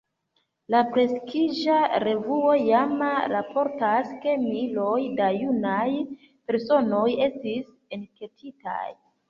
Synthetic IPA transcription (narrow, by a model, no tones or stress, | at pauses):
lapɾe̞skʰid͡ʒaɾe̞vuo̞jamɾapʰo̞ɾtaske̞milo̞jdajunaj | pe̞ɾso̞no̞je̞stis | enke̞tʰita̰j